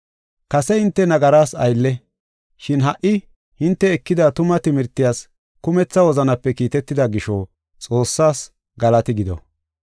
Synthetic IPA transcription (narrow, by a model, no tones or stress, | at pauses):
kɐsɛhɪnt̪ːɛnɐɡɐɾaːsɐ̰jlːɛ | ʃɪnɦɐʔɪ | hɪnt̪ːɛːkːɪd̪at̪ʊmɐt̪ɪmɪɾt̪ːɪjaːs | kʊmɛt͡sːɐwɔzɐnɐpːɛkiːt̪ɛt̪ːɪd̪ɐɡɪʃɔ | t͡sʼo̞ːsːaːs | ɡɐlɐt̪ɪɡɪd̪ɔ̰